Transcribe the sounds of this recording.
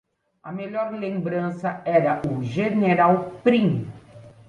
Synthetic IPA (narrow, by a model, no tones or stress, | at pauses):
ɐmeʎɔɾlẽmbɾɐ̃sɐɛɾɐʔuʒeneɾawpɾĩm